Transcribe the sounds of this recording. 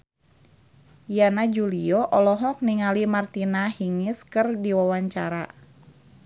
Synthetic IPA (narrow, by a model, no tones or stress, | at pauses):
janad͡ʒuliɔʔɔlɔɦɔk̚niŋalimart̪inahiŋɪskɨrdiwawaɲt͡ʃaɾa